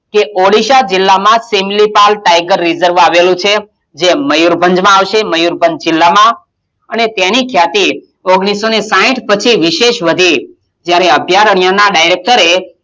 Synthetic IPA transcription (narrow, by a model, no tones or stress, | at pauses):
keʔoɭiʃad͡ʒɪlːamãsemlipalʈajɡəɾːizəɾʋaʋelũt͡ʃʰe | d͡ʒeməjuɾbʱəɲd͡ʒmãaʋʃeməjuɾbʱənd͡ʒd͡ʒɪlːamã | ənet̪enikʰjat̪i | oɡɽ̃isːonesaĩʈʰpət͡ʃʰiʋiʃeʃʋəd̪ʱi | d͡ʒjaɾeəbʱjaɾəɳjanaɖajɾek̚ʈəɾe